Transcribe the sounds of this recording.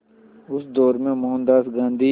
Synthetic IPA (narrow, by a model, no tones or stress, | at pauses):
ʊsd̪ɔːɾmẽmʊɦə̃nd̪aːsɡãːnd̪iː